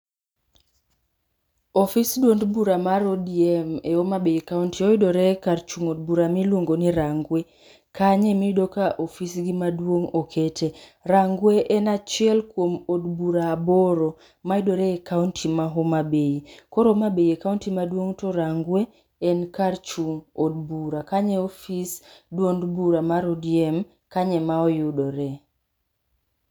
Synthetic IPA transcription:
ɔfisdwondbuɾamaɾodiɛmɛomabeikauntiɔidoɾɛkaɾt͡ʃuŋod̚buɾamilwoŋɡoniɾaŋɡwe | kaɲɛmidokaʔofisɡimadwoŋokʰetʰeɾaŋɡweʔɛnat͡ʃiɛlkwomod̚buɾaːbɔɾo | maidoɾɛːkauntʰimaɦomabeikɔɾomabeiɛkauntimadwoŋtɔɾaŋɡweː | nkaɾt͡ʃuŋod̚buɾakaɲɛofisdwondbuɾamaɾodiɛm | kaɲɛmaɔjʊdoɾɛ

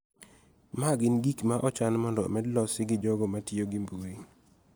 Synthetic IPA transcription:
maɡɪnɡikmaʔɔt͡ʃanmɔndɔmɛdlɔsɪɡɪd͡ʒɔɡɔmatjoɡɪmbuɾi

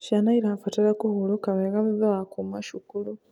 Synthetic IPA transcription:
ʃanaiɾafateɾakuhuɾukaβaɣaβiðaakumaʃukulu

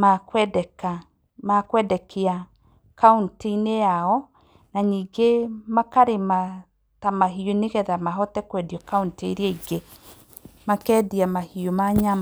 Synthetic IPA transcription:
makwɛdɛka | makwɛdɛkʰea | kaunteinejaɔ | naɲiːɡemakaɾema | tamaɦioneɣɛðamaɦɔtɛkwɛdiɔkaunteɾeaiɡe | makɛdiamahiomaɲam

